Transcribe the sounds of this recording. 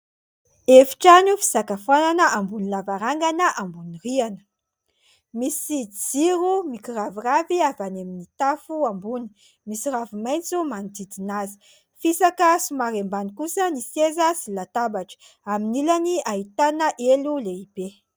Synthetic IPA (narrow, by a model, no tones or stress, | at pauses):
efi̥ʈ͡ʂanufi̥z̥akafananəʔambunilavaɾaŋɡanəʔambunirianə̥ | misid͡ziɾumikiraviraviavanaminit̪afuambuni̥ | misiravimajnt͡sumand̪id̪inazi̥ | fisakəsumaɾembanikusənisezəsilat̪abaʈ͡ʂə̥ | aminilaniaɦit̪anəʔeluleib̥e